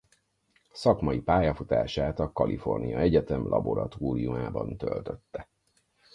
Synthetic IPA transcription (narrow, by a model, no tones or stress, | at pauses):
sɒkmɒjipaːjɒfut̪a̰ːʃaːt̪ɒkɒlʔifo̞̰rnijɒɛɟɛt̪ɛmlʔɒboɾɒt̪oːɾijumaːbɒnt̪ø̰lt̪øt̪ːɛ